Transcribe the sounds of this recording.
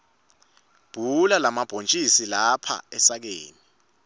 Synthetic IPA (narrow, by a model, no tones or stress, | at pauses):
b̥ʱulalamab̥ʱont͡ʃʼisilapʰa̰ɛsak̬eːni